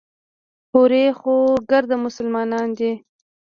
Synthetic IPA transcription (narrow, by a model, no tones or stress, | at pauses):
hoɾexoɡəɾd̪amʊsəlmɑnɑnd̪i